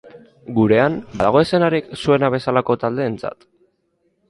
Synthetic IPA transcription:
ɡuɾe̞anbaðaɣ̞o̞ese̞naɾiksue̞naβ̞e̞salako̞t̪ald̪e̞ːnt͡sa̰t̪

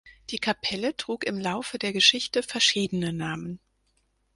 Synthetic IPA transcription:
d̥iːkʰapʰɛlətʁ̥uːkɪmlaʊfədeːɐɡəʃɪçtəfɛɐʃiːdənənaːmən

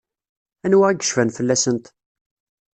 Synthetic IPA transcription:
ænwææɡə̥ʃfænfəlːæsənt̪

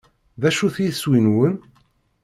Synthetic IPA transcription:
ðæʃuθjswinwən

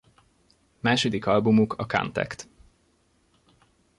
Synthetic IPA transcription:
maːʃod̪ikɒlbumukʰɒka̰nt̪ɛ̰kt̪

